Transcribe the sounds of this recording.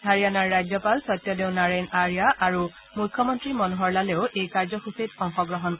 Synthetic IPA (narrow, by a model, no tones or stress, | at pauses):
dʱaɹijanaɹːajzɔpalsɔjtːjɔdeʊnaɹenaɹijaʔaɹu | mukʰjɔmɔntɹimɔnuɦɔɹlaleʊʔejkaɹzɔxusitɔŋxɔɡɹɔɦɔn